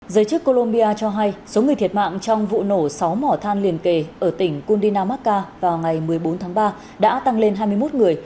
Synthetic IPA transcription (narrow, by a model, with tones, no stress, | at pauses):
zəː˨˦jt͡ɕɨ˦˥kːo˧lo˧mɓi˧aː˧t͡ɕɔ˧ɦa˧jso˨˦ŋ˨˩jt̪i˨˩ət̚ma̰ː˧˨ŋt͡ɕɔ˧wŋ͡mvṵ˧˨no˧˩sa˨˦wmɔ˧˩t̪ʰaː˧nli˨˩ənke˨˩ʔəː˧˩t̪ï˧˩ŋ̟ku˧nɗi˧naː˧maː˦˥t̚kaː˧vaː˨˩wŋa˨˩jmɨ˨˩əjɓo˨˦nt̪ʰaː˨˦ŋɓaː˧ | ɗa̰ː˧˥t̪a˧ŋle˧nɦaː˧jmɨ˧əjmo˦˥t̚ŋɨ˨˩əj